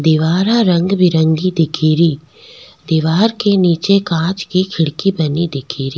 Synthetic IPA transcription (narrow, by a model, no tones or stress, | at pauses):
d̪ɪʋaːɾaɾə̃ŋɡbʱɪɾə̃ŋɡid̪ɪkʰiːɾiː | d̪ɪʋaːɾkeniːt͡ʃekãːt͡ʃkikʰɪɽkibɐnid̪ɪkʰiːɾi